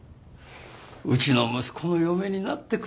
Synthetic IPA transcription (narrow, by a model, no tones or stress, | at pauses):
ɯt͡ɕino̞mɯ̟sɨ̥kʰo̞no̞jome̞ɲ̟inat̪ːe̞k